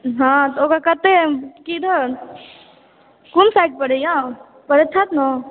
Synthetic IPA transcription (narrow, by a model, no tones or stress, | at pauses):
ɦãt̪okakət̪ekid̪ʱə | kunsajʈ̚pəɽejã | pəɾet͡ʃʰat̪no